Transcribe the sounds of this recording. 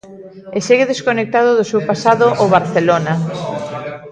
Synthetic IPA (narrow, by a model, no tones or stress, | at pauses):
eseɣeðeskonek̚t̪aðʊðosewpasaðoʔoβ̞aɾθelona